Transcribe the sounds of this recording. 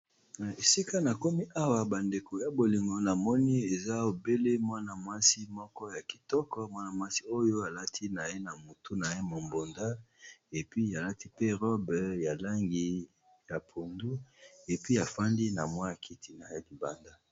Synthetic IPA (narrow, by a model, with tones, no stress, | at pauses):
na˨e˨si˦ka˦na˨ko˦mi˦ʔa˦wa˦ba˨nde˨ko˨ja˨bo˨li˨ŋɡo˨na˨mɔ˦ni˦e˨za˦o˨be˦le˦mwa˦na˨mwa˦si˦mɔ˦kɔ˦ja˨ki̥˨tɔ˦kɔ˦mwa˦na˨mwa˦si̥˦o˦jo˦a˨la˦tʰi˦na˨je˦na˨mu˨tu˦na˨je˦mo˨mbo˨nda˦e˨pi˦a˨la˦ti˦pe˦ʁɔ˦bɛ˨ja˨la˦ŋɡi˨ | ja˨pʰo˨ndu˦e˨pi˦a˨fa˦ndi˦na̰˨mwa˦ja˨kʰi˨ti˨na˨ja˦li˨ba˨nda˦